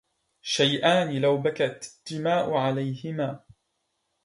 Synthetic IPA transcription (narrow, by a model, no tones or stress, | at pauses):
ʃajʔaːnɪlawbakat̪d̪̥ːɪmaːʔʊʕalajhɪmaː